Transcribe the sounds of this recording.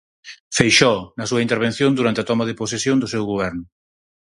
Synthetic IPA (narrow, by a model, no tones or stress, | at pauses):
fejʃɔnɐsuɐint̪eɾβ̞en̟θjõnd̪uɾant̪eaɐt̪ɔmɐðepos̬esjõnd̪ʊsewɣoβ̞ɛɾnʊ